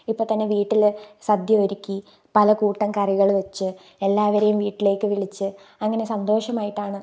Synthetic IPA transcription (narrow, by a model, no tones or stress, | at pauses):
ipːoːt̪ɐnːe̞ʋiːʈːilsɐd̪jɐoɾikʲːi | pɐlɐkuːʈːɐmkɐriɣɐɭʋet͡ɕːɨ | e̞lːaːʋɐɾɐjumʋiːʈːile̞ːkːɨʋiɭit͡ɕːɨ | ɐŋːɐne̞sɐnd̪o̞ːʂɐmaːjiʈːaːɳɨ